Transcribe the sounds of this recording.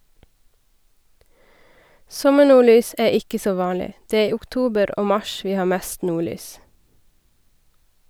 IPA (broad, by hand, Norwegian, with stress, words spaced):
ˈsɔməˌɳuːˌɭyːs ˈæː ˈɪkə ˈsoː ˈʋɑːlɪ ˈdeː ˈeː ˈiː ʊkˈtuːbəɾ ˈoː ˈmɑʃ ˈʋiː ˈhɑː ˈmeːst ˈnuːˌɭyːs